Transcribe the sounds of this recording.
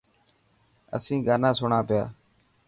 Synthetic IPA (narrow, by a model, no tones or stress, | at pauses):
ə̰sĩːɡaːnãːsʊɳaːpɪja̰ː